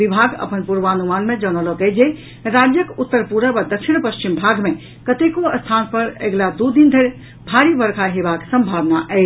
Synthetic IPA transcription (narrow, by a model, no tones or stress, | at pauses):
bibʱaɡə̰pənpuɾbanumanmed͡ʒənɔlɔkɛd͡ʒe | ɾad͡ʒjəkut̪ːəɾpuɾəbad̪əkʃinpəst͡ʃimbʱaɡme | kət̪ekoəst̪ʰanpəɾḛɡlad̪ud̪ind̪ʱeɾ | bʱaɾibəɾkʰaɦebaksə̃mbʱaʋnaʔɛ